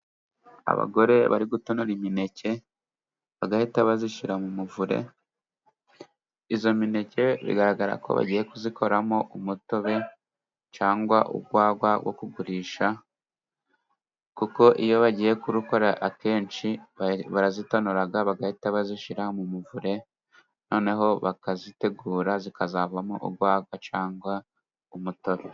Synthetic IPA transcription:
a̰βa̰ɡo̞ɾe̞βa̰ɾiɡutonoɾimine̞ce̞ | βaɡahitaβaziʃiɾamumuvuɾe̞̰ | izo̞mine̞ce̞βḭɡaɾaɡaɾa̰ko̞̰βa̰ɟije̞kuzikʰo̞ɾamo̞ʔumuto̞βe̞ | t͡ʃaːŋɡwaʔṵɡwaːɡwaɡwo̞̰kuɡuɾiːʃa | kuko̞ʔijo̞βaɟije̞kuɾuko̞ɾaʔake̞ːnt͡ʃiβaɾazitonoɾaɡaβaɡahitaβaziʃiɾahomumuvuɾe̞ | no̞ːne̞ɦo̞βakazite̞ɡuːɾazikazavamo̰ʔṵɡwaːɡwat͡ʃaːŋɡwa | umuto̞βe

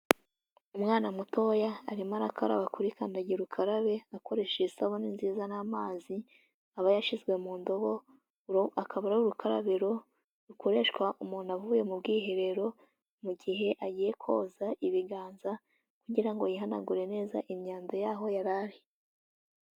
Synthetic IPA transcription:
umŋaːnamuto̞jaːɾimaɾakʰaɾa̰βakuɾikaːndaɟiɾukʰaɾaβe̞ako̞ɾe̞ʃeisaβoninziːzanamaːzi | aβajaʃizɡwe̞muːndo̞βo̞ | akʰaβaɾauɾukʰaɾa̰βeɾo̞ | ɾukʰo̞ɾe̞ʃkwaʔumuːnaβuβuje̞mubɡiːɦeɾe̞ɾo̞ | muɟiɦe̞ʔaɟiːje̞kʰo̞̰ːzaiβiɡaːnza | kuɟiɾaŋɡo̞jiɦana̰ɡuɾe̞ne̞ːza̰ʔimɲaːndojaːɦo̞jaɾaɾi

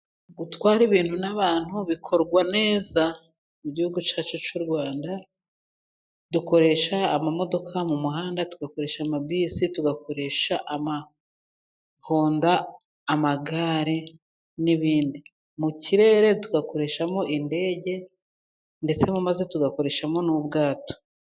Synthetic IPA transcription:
ɡutwaːɾiβiːnhunaβaːn̥huβikʰo̞ɾɡwane̞ːza | muɟihuɡut͡ʃaːt͡ʃut͡ʃuɾɡwaːnda | duko̞ɾe̞ʃaːmamo̞do̞kʰamumuɦaːndatuɡako̞ɾe̞ːʃamabiːsituɡako̞ɾe̞ːʃaʔama | hoːndaː | maɡaːɾe | niβiːndi | muciɾe̞ːɾe̞tuɡako̞ɾe̞ʃamo̞ʔinde̞ːɟe̞ | nde̞t͡se̞mumaze̞tuɡako̞ɾe̞ːʃamo̞nuːbɡaːto̥

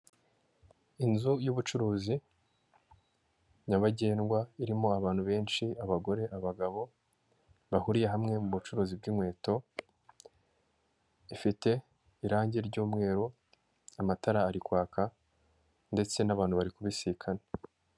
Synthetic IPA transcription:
inzujuβut͡ʃuɾuːzi | ɲaβaɟe̞ːnɡwaiɾimoaβaːn̥huβe̞ːnʃiaβaɡo̞ɾe̞ʔaβaɡaβo̞ | βahuɾije̞ɦamŋe̞muβut͡ʃuɾuːzibɡimwe̞ːto̞ | ifite̞ | iɾaːɲɟeɾɟuːmŋe̞ːɾo | amataɾaːɾikwaːkʰa | nde̞t͡se̞naβaːnhuβaɾikuβisikʰane

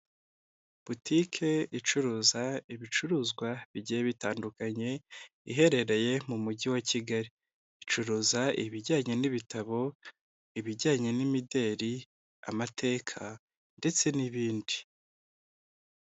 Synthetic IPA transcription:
b̥utʰikʰe̞it͡ʃuɾuːzaiβit͡ʃuɾuːzɡwaβiɟijeβitaːndukaɲe̞ | iɦe̞ɾe̞ɾe̞je̞mumuɟiwaciɡaɾi | it͡ʃuɾuːzaiβiɾɟaːɲe̞niβitaβo̞ | iβiɾɟaːɲe̞nimide̞ɾi | a̰matʰe̞ːkʰa | nde̞t͡se̞niβiːndi

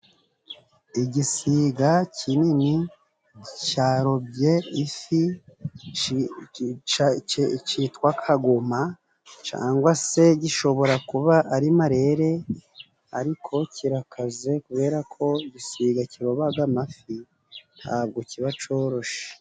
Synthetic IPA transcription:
iɟisiːɡacʰinini | caɾo̞bɟe̞ifi | t͡ʃitkwakʰaɡoma | t͡ʃa̰ːŋɡwase̞ɟiʃo̞βo̞ɾakuβaʔaɾimaɾe̞ɾe̞ | aɾikʰo̞cʰiɾakaze̞kuβe̞ːɾakʰo̞iɟisiːɡaciɾo̞βaɡamafi | nha̰b̚ɡo̞ciβat͡ʃo̞ːɾo̞ʃe̥

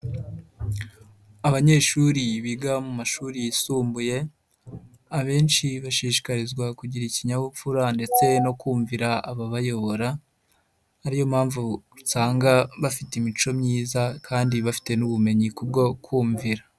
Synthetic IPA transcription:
aβaɲe̞ːʃuɾiβiɡamumaʃuːɾijisuːmbuje̞ | aβe̞ːnʃiβaʃiːʃi̥kaɾizɡwakuɟiɾiciɲaβufuɾande̞t͡se̞no̞kuːɱviɾaaβaβajo̞βo̞ɾa | aɾijo̞mhaːɱvuutaːŋɡaβafitimit͡ʃo̞mɲiːzakʰaːndiβafi̥te̞nuβume̞ɲikub̚ɡo̞kʰwuːɱviɾa

